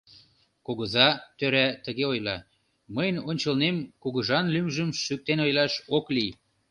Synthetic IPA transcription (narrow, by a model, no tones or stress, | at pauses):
koɣə̆zɑt̪øɾæt̪əɣeojlɑ | məjnonʲt͡ɕəlnemkuɣə̆ʒɑnlymʒəmʃyk̚t̪enojlɑʃoklij